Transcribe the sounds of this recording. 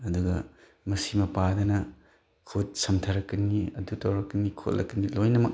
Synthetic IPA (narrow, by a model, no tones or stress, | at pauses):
ɐduɡɐ̰ | mɐsimɐpadɐnɐ | kʰut̚sɐmtʰɐɾɐkːɐniɐ̰dutɐwɾɐkːɐnikʰo̰lːʔɐ̰kːɐnilojnɐmɐk̚